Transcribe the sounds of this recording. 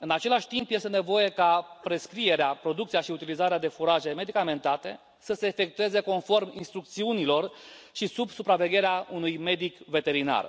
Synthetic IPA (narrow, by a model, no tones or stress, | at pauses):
ɨnat͡ʃe̞laʃʲt̪impje̞st̪e̞ne̞vo̞je̞kapɾe̞skɾie̞ɾeapɾo̞d̪ukt̪sijaʃiut̪ilizaɾead̪e̞fuɾaʒe̞me̞d̪ikame̞nt̪at̪e̞̰ | səseːfe̞k̚t̪ue̞ze̞ko̞nfo̞rmḭnst̪ɾuk̚t̪siunilo̞rʃisubsupɾave̞ɡʲe̞ɾeaunujme̞d̪ikve̞t̪e̞ɾina̰r